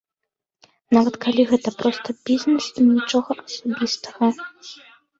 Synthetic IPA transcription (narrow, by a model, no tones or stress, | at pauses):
navɐt̪kalʲiɣɛt̪ɐpɾɔst̪ɐbʲizʲnɛsinʲit͡ʂɔɣɐʔɐsabʲist̪ɐɣɐ